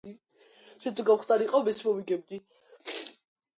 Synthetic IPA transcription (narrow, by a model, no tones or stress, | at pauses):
ʃɛnt̪ʰuɡamχt̪ʼaɾiqʼɔvɛsmɔviɡɛb̚d̪i